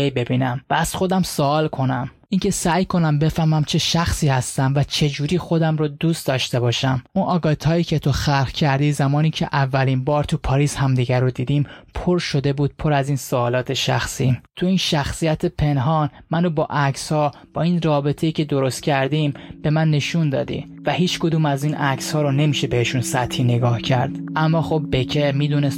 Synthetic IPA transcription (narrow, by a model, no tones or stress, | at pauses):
ejbe̞biːnæmvæːz̥xo̞d̪æmsoɒːlkʰo̞næmʔincʰe̞sæːjkʰo̞næmbe̞fæɾmæmt͡ʃʰe̞ʃæxsiːhæst̪æmvæt͡ʃʰe̞d͡ʒuːɾiːxo̞d̪æmɾod̪uːst̪d̪ɒːʃt̪e̞bɒːʃæmʔunʔɒːɡɒːt̪ʰhɒːiːcʰet̪ʰo̞xæɾhcʰæɾd̪iːzæmɒːniːcʰe̞̰ʔævːælinbɒːɾt̪ʰupʰɒːɾiːshæmd̪iɟæɾod̪iːd̪impʰoɾʃo̞d̪e̞buːd̪̥̚pʰo̞ɾæziːnsoːlɒːt̪ʰe̞ʃæ̰xsit̪ʰuiːnʃæxsijæt̪ʰepʰe̞nɦɒnmænobɒːʔækshɒːb̥ɒːiːnɾɒːbe̞t̪ʰe̞iːcʰe̞d̪o̞ɾo̞st̪̚cʰæɾd̪imbe̞mænːe̞ʃund̪ɒ̰ːd̪ḭ | væhiːt͡ʃkod̪uːmæziːnʔækshɒːɾone̞miːʃe̞beheʃunsæt̪ʰhiːne̞ɡɒːhcʰæ̰ɾd̪̥ʔæmːɒːxobːecʰemiːd̪unes